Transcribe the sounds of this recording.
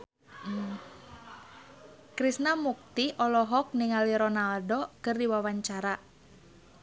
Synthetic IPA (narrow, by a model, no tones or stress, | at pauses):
kɾisnamuk̚t̪iʔɔlɔɦɔk̚niŋaliɾɔnaldokɨrdiwawaɲt͡ʃaɾa